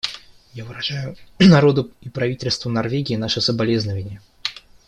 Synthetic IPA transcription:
javɨɾɐʐajʊnɐɾo̞d̪ʊɪpɾɐvʲitʲɪlʲst̪vənɐrvʲeɡʲɪːnaʂɨsəbɐlʲe̞znəvənʲɪjə

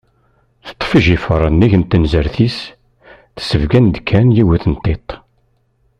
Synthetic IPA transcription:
θə̥t̪ˤːfəʒifəɾˤənːiʝənt̪ːənzəɾθis | θə̥səvɡænd̪kʰːænjiwæθənt̪ˤːet̪ˤ

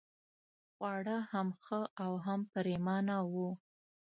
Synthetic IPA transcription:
ɣwɑɽəhamxəawɦampəɾemɑnawu

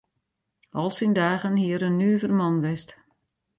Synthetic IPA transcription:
ɔlˠsindaːɣənhiəɾənːyːvərmɔnʋɛst

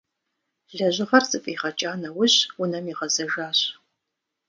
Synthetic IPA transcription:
ɮɐʑʷɪʁɐrzʼɨpʼiːʁɐt͡ʃʼaːnɐwʊɕwʊnɐmiʁɐzɐʒaːɕ

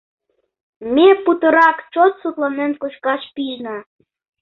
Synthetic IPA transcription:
meput̪ə̆ɾɑkt͡ʃot̪sut̪lɑnenkuʃkɑʃpijnɑ

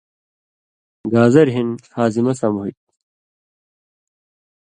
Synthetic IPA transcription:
ɡaːzɐɾɦinhaːzimɐsamuɦit̪̚

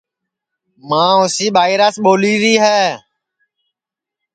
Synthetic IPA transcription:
mãːʊsiːɓaːiːɾasɓoːliːɾiːɦɛː

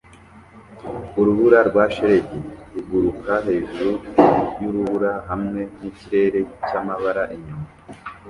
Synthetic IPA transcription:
uɾuβuɾaɾɡwaːʃeɾeɟeɾuɡuɾukaɦe̞ːʒuɾujuɾuβuɾaɦamŋe̞niciɾe̞ːɾe̞camaβaɾaʔiɲuma

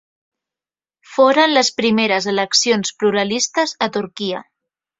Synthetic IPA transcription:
foɾənləspɾimeɾəzələksionspluɾəlist̪əzət̪uɾkiə̰

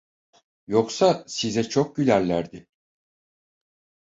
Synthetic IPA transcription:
joksasizɛt͡ʃʰok̚ɟylʲællʲæɾd̪ɪ

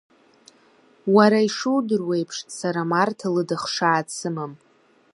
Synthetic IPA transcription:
waɾaiʂuwdɨrwe̞jpʰʂsaɾamartʰalɨdɨχʂaːt͡sʰɨmam

